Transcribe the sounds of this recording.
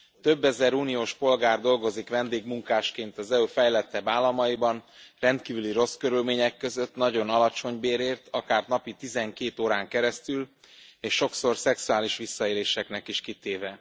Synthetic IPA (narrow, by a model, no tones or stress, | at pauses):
t̪ø̞bːɛzɛɾuːnijoːʃpo̞lɡaːrd̪o̞lɡo̞zikʋɛnd̪eːɡmuŋkaːʃkeːnt̪ɒzɛøːfɛjlɛt̪ːɛbaːlɒmɒjibɒnrɛnt̪kiːvyliɾo̞skøɾylmeːɲɛkːø̞zø̞t̪nɒɟo̞nɒlɒt͡ʃo̞ɲbeːɾeːrt̪ʰɒkaːrnɒpit̪izɛŋkeːt̪oːɾaːŋkɛɾɛst̪yl | eːʃːo̞kso̞rsɛksuaːliʃʋisːɒeːleːʃɛknɛkiʃkit̪eːvɛ